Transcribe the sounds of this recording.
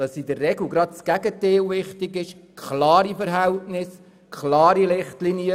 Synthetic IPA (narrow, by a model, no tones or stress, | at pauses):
ɑsidərːɛɡl̩ɡɾɑt̚sɡ̥æɡ̥əteːlʋɪχtɪɡɪʃkχlɑːɾifəɾɦæltnɪs | kχlɑːɾilɪχtlinjə